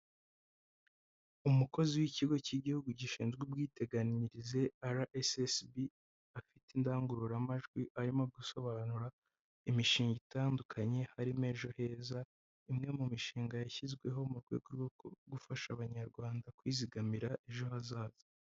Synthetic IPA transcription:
umuko̞ziwiciɡo̞ciɟihuɡuɟiʃiːnzɡubɡiːte̞ɡaniɾize̞aɾaʔesesbi | afitindaːŋɡuɾuɾamaʒɡwiʔaɾimo̞ɡuso̞βanuɾa | imiʃiːŋɡitaːndukʰaɲe̞haɾime̞ːʒo̞he̞ːza | imŋe̞mumiʃiːŋɡajaçizɡwe̞ɦo̞muɾɡwe̞̰ːɡwo̞ɾɡoko̰ɡufaʃaβaɲaɾɡwaːndakwiːziɡamiɾaʔeʒo̞hazaːzi

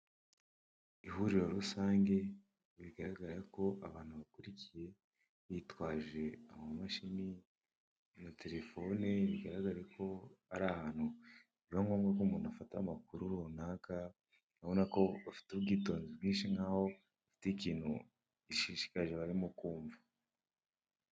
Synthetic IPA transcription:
ihuɾiɾo̞ɾusaːŋɡe̞ | βiɡaɾaɡaɾeko̞ʔaβaːn̥huβakuɾicije̞ | βitwaːʒe̞amomumaʃini | nate̞ɾe̞fo̞neβiɡaɾaɡaɾekʰo̞aɾahaːn̥hu | iβoŋɡo̞ːmɡakoːmuːnuafatamakuɾuɾonaːka | naβonako̞βafi̥tuβɡiːto̞ːnziβɡiːnʃiŋaːho̞ | afi̥ticiːnhṵ | iʃiʃi̥kaʒe̞βaɾimukuːɱvḁ

